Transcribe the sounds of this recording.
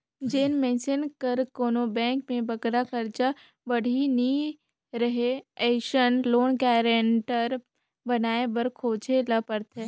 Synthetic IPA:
d͡ʒeːnmɛ̃ːsɪnkəɾkoːnobɛ̃ːŋkmẽbɐɡɾakəɾt͡ʃa | bɐɽ̤ʱini | ɾɐɦeɛːʃənloːnkɛːɾẽɳʈəɾ | bɐnaːebɐɾkʰoːt͡ʃʰelɐpəɾt̪ɦɛ̃ː

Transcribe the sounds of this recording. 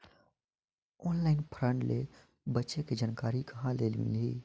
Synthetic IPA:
ɔːnlaːɪnpʰɾə̃ɳɖle | bətːʃeked͡ʒənkaːɾikɐɦãleːlmɪ̰liː

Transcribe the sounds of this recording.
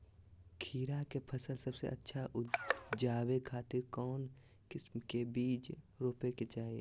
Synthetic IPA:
kʰiːɾakepʰɐsəlsəbsḛʔɐtːʃʰa | d͡ʒaːwekʰaːt̪ɪɾkɔːn | kɪsmkebiːd͡ʒ | ɾoːpeket͡ʃaːie

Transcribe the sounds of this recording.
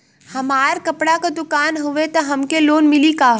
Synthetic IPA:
hɐmaːɾkɐpɽakad̪ʊkaːnɦʊʋet̪ɐɦɐmkeloːnmɪlikaːɦ

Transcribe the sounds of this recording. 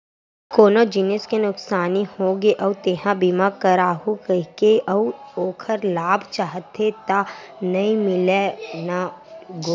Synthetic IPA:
koːnod͡ʒɪnəskenʊksaːnihoːɡeʔɐt̪eɦãbimakəɾaːɦukəɦkeʔɐwoːkʰəɾlaːbʱt͡ʃaːɦət̪ːet̪a | nɐĩmɪlenaɡoː

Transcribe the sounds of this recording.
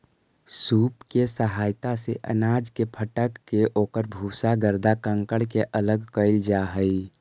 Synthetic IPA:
suːpkesəɦaːjt̪aseʔə̰naːd͡ʒkepʰəʈəkːeʔoːkəɾbʱuːsaɡəɾd̪akə̃ŋkəɽkeʔələɡkəɪld͡ʒaɦəi

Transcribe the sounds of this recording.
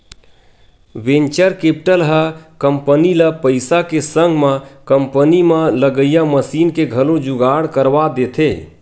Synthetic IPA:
ʋẽnt͡ʃəɾkepʈəlɦəkəmpəniləpəɪsakesəŋɡʱmẽkəmpənimãləɡəjaməsiːnkeɡʱəlod͡ʒuɡaɽkəɾʋad̪et̪ʰe

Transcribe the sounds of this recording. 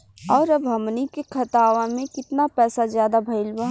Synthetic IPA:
ɔːɾɐbɦɐmnikekʰɐt̪aːʋãmẽkɪt̪napɛːsazjaːd̪abʱɐɪlbəɦ

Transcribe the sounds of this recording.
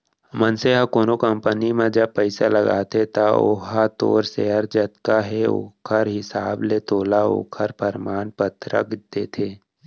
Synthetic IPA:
mənseɦakoːnokəmpənimẽd͡ʒəb̚pːəɪsaləɡa̰ːt̪ʰet̪ao̰ːɦat̪o̰ːɾseːəɾd͡ʒət̪kaɦeo̰ːkʰəɾɦɪsaːblet̪oːlao̰ːkʰəɾpəɾmaːnpət̪ɾə̰kd̪̥eːt̪ʰeː

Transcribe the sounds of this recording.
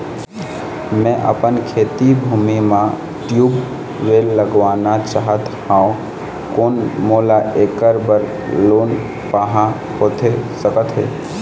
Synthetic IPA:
mɛ̃ʔə̰pənkʰeːt̪ibʱuːmimã | ʈjuːb | ʋeːlːəɡʋaːnat͡ʃaɦət̪hãːõ | koːnmoːlaʔeːkəɾbəɾ | loːn | paɦã | ɦot̪ʰesəkət̪ɦḛː

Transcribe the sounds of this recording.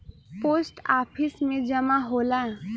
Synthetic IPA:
poːsʈaːpʰɪsmẽd͡ʒɐmaɦoːlaɛ

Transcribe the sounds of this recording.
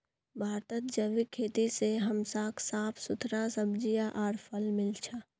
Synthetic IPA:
bʱaːɾt̪ət̪̚d͡ʒəʋɪkʰːeːt̪iseɦɐmsaːkʰsaːpʰsʊt̪ʰɾasəbd͡ʒijaʔaːɾpʰəlmɪlt͡ʃʰa

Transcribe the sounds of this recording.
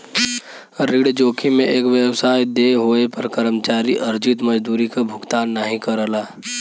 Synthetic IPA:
ɾiɽd͡ʒoːkʰimẽʔeːkʋjewsaːjd̪eɦoːepəɾkəɾəmt͡ʃaːɾiʔɐɾd͡ʒɪt̪məd͡ʒd̪uːɾikabʱʊkt̪aːnːaɦĩkəɾəlaː

